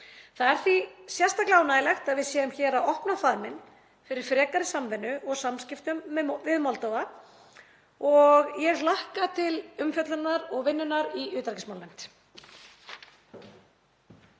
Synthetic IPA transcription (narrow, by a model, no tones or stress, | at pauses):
θaðɛɾ̥θvisjɛst̪aklaːwnaːjlɛxt̪aðvɪðsjɛːðʏmçɛːɾaɔhpnafaðmɪn | fɪɾɪɾ̥fɾɛːkaɾɪsamvɛnːʏɔɣsamscɪft̪ʏmːvɪðmɔlt̪owɣa | ɔɣjɛɣlahkat̪ʰɪlʏmfjœt̪lʏnːaɾɔɣvɪnːʏnːaɾiʏːt̪ɾaɾcɪsmaːwlɛn̥t̪